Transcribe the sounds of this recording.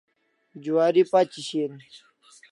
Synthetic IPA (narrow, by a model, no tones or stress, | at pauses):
d͡ʑuwaːɾipat͡ɕiɕeɾ